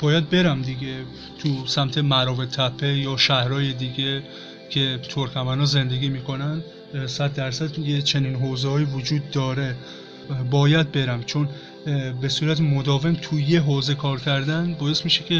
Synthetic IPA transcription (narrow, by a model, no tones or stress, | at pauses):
bɒːjæd̪̚be̞ɾæmd̪iɡe | t̪ʰusæmt̪ʰe̞mæɾɒːvet̪ʰæpʰːejɒːʃæhɾɒːje̞d̪iːɡe | cʰe̞t̪ʰoɾkæmænɒːze̞nd̪e̞ɡiːmiːkʰo̞nænd̪ | sæd̪ːæɾsæd̪jet͡ʃʰe̞niːnɦoːzehɒːjivod͡ʒuːd̪ːɒːɾe̞ | bɒːjæd̪̚be̞ɾæmt͡ʃʰon | be̞suːɾæt̪ʰemod̪ɒːve̞mt̪ʰujeɦoːze̞kʰɒːɾcʰæɾd̪ænbɒːe̞st̪miːʃekʰe̞